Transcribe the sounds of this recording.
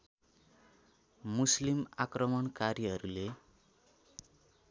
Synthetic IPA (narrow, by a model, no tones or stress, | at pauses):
muslimakrʌmʌnkarjʌɦʌɾule